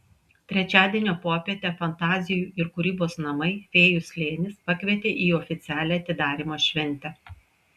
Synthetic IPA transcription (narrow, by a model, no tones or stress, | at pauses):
t̪ʲɾʲɛt͡ʃʲæːd̪ʲiɛnʲoːpoːpʲiɛt̪ʲɛfɐnt̪ɑːzʲɪjuːɪɾkʊɾʲiːboːsnɐmɐɪfʲeːjʊsʲlʲeːnʲɪspɐkʲʋʲiɛt̪ʲeːʔiːɔːfʲɪt̪sʲæːlʲɛɐt̪ʲɪd̪ɑːɾʲimoːʃʲʋʲɛnʲt̪ʲɛ